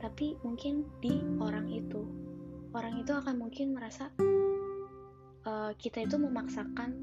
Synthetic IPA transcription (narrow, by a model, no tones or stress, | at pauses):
t̪apimuŋkɪndioɾaŋit̪u | oɾaŋit̪uakanmuŋkɪnməɾasa | ʔəkit̪ait̪uməmaksakan